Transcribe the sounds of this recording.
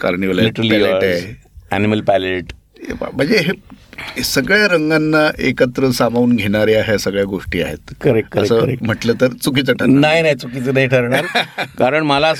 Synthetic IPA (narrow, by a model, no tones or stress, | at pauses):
ka̰ɾɳiʋəlliʈɾlɛlee | æ̰niməlpɛleʈ | a̰m̤əɳd͡zeɦe | səɡɭjaɾəŋɡanːaʔekət̪ɾəsamauːnɡʱeɽ̃aɾeaɦesəɡɭjaɡoʂʈiːa̰ɦḛt̪kəɾekːəəsəːɾm̤əʈləːt̪əɾt͡sukit͡səʈʰəɾanaɦjnait͡sukit͡sənaiʈʰəɾɳaɾkaɾəɳməla